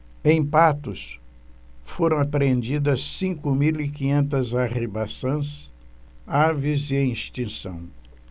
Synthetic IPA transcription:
ẽj̃pat̪ʊs | foɾɐ̃w̃apɾẽnd͡ʒid̪ɐssĩŋkʊmilikĩɲẽnt̪ɐzaʁibasɐ̃s | aɾvɪziẽĩst͡ʃĩsɐ̰̃w̃

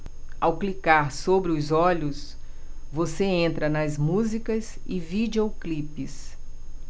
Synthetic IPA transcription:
awklikaɾsobɾɪʊzɔʎʊs | voseẽnt̪ɾɐnɐzmuzikɐzɪvid͡ʒeoklipɪs

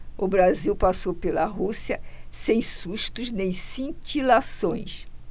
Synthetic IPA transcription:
ʊbɾaziwpasowpelɐɦusiɐsẽj̃suʃt̪ʊznẽj̃sĩt͡ʃilasõj̃s

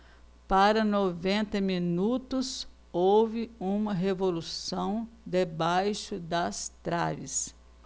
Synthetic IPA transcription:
paɾɐnovẽnt̪ɐminut̪ʊs | owvɪũmɐɦevolusɐ̃w̃d̪ebajʃʊd̪ɐst̪ɾa̰vɪ̰s

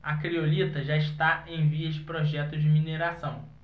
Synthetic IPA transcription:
ɐkɾiolit̪ɐʒaist̪aẽj̃viɐd͡ʒɪpɾɔʒɛt̪ʊd͡ʒɪmineɾasɐ̃w̃

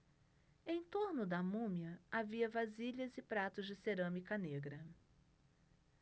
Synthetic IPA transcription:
ẽj̃t̪oɾnʊd̪ɐmũmiɐaviɐvaziʎɐzɪpɾat̪ʊzd͡ʒɪseɾɐ̃mikɐneɡɾɐ

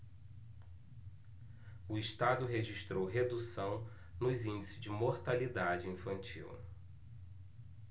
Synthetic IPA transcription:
ʊiʃt̪ad̪ʊɦeʒiʃt̪ɾowɦed̪usɐ̃w̃ | nʊzĩnd͡ʒisɪzd͡ʒɪmoɾt̪alid̪ad͡ʒɪĩfɐ̃nt͡ʃḭw

